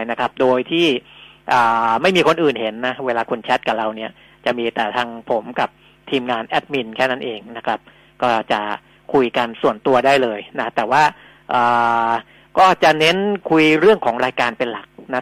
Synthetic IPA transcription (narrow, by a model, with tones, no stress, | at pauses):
na˦˥kʰɾa˦˥p̚doː˧jt̪ʰiː˥˩ | ʔaː˨˩ma˥˩jmiː˧kʰo˧nʔɯː˨˩nɦe˩˦nːa˦˥weː˧laː˧kʰu˧nt͡ɕʰɛ˦˥t̪̚ka˨˩ɾa˧wni˦˥ɐ | t͡ɕa˨˩miː˧t̪ɛː˨˩t̪ʰaː˧ŋpʰo˩˦mka˨˩p̚ | t̪ʰiː˧mŋaː˧nʔɛ˦˥t̪̚mi˧nkʰɛː˥˩na˦˥nʔeː˧ŋna˦˥kʰɾa˦˥p̚ | kɔː˥˩t͡ɕa˨˩ | kʰu˧jka˧nsu˨˩ənt̪u˧ɐdaː˥˩jlɤː˧jna˦˥t̪ɛː˨˩waː˥˩ | ʔɤː˨˩ | kɔː˥˩t͡ɕa˨˩ne˦˥nkʰu˧jɾɯ˥˩əŋkʰɔː˩˦ŋɾaː˧jkaː˧npe˧nla˨˩k̚na˦˥